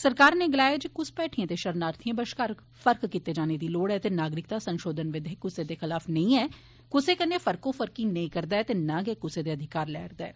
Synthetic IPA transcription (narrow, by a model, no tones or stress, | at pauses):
səɾkaːɾneːɡɪlaːed͡ʒkʊspɛːʈʰijãːt̪eːʃəɾnaːɾt̪ʰɪjãːbəʃkaːɾ | fəɾkːiːt̪eːd͡ʒaːneːd̪iːloːɽɛːt̪eːnaːɡɾɪk̚t̪aːsənʃoːd̪ənʋɪd̪ʱekʊseːd̪eːxɪlaːfnəĩːɛː | kʊseːkənːeːfʰəɾkõːfʰəɾkiːnəĩːkəɾd̪aːɛt̪eːnãːɡɛeːkʊseːd̪eːəd̪ʱɪkaːɾlɛːɾd̪aɛː